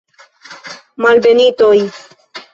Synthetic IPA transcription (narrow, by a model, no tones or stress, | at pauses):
malbenit̪oj